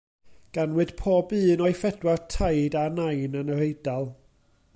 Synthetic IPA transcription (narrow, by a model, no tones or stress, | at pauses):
ɡ̥anwɨd̥pʰoːbɨːnɔɨfɛdwartʰajdanajnənəɾejdalˠ